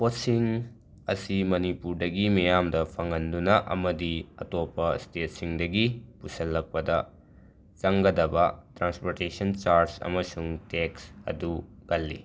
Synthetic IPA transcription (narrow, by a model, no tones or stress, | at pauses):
posiŋ | ɐsimɐnipuɾdɐɡimɐjamdɐpʰɐŋɐndunɐʔɐ̰mɐdiɐ̰topːɐstetsiŋdɐɡipusɐlːɐk̚pɐdɐ | t͡ʃɐŋɡɐdɐbɐtɾanspoɾtesɐnt͡ʃaɾsɐ̰mɐsuŋteksɐ̰duɡɐlːi